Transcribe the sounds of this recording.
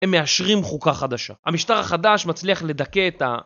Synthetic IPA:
emːe̞aʃʁimχukaχad̪aʃa̰amiʃtaʁaχadaʃmat͡sliaχle̞d̪ake̞ːta̰

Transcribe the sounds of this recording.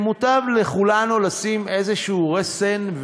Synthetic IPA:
mut̪avleχulanulasime̞zeʃuːʁesenv

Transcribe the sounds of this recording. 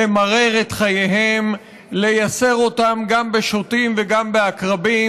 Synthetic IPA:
emaʁe̞ʁet̪χajeɦe̞m | le̞jase̞ʁo̞tamɡambe̞ʃotimveɡambeakʁabi

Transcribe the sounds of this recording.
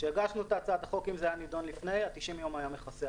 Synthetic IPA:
ʃeeɡaʃnuet̪at͡sad̪aχo̞kimzeajanid̪o̞nlifne̞jat̪iʃimjo̞majameχase

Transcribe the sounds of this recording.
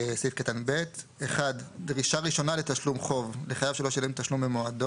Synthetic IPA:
sifkatanbe̞teχaddʁiʃaʁiʃo̞nale̞taʃlumχo̞vleχajavʃelo̞ʃalemtaʃlumbemoado

